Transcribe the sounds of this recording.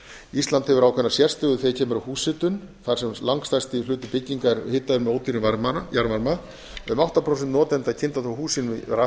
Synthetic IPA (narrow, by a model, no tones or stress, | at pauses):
ist̪lant̪hɛvʏɾaːwkʰɛnːasjɛr̥st̪ɪɣʏθejcʰɛːmʏɾahuːsɪt̪ʏn | θaɾ̥sɛmlaŋkst̪ajst̪ɪlʏːt̪ʏpɪcːiŋkaɾhɪːt̪ːaðʏɾmɛoːwt̪iɾɪnvaɾmaajaɾmaɾma | ʏmawht̪apʰɾowsɛnt̪nɔːt̪ɛnt̪acʰɪnt̪at̪θahuːsɪnɪɾa